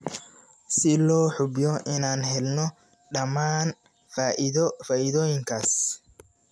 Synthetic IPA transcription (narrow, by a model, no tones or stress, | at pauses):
sɪlɔːħʊbjɔʔɪnaːnɦɛlnɔ | ɗɐmaːn | faːʔɪðɔfaːʔɪðɔːjɪŋkʰaːs